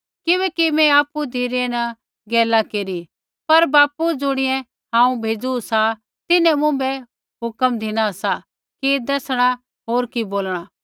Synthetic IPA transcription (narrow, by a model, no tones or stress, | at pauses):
kɪβɛːkimɛ̃aːpud̪ʱiɾenɐ | ɡɛːlakeːɾi | pɐɾbaːpud͡zʊɽ̃ɪjɛ̃ | ɦãːũbʱeːd͡zusa | t̪ɪnɛ̃mʊ̃bɛ | ɦʊkəmd̪ʱɪɽ̃aɐsa | kid̪ɐːsɽ̃a | ɦoːɾkiboːlɽ̃aː